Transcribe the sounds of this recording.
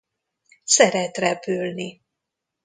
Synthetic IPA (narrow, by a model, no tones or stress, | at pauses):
sɛɾɛt̪rɛpylni